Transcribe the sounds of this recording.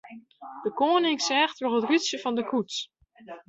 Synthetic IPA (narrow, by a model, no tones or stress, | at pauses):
d̥əkoːnɪksɛːxtʋɔlˠətrysjəfɔndəkʰuts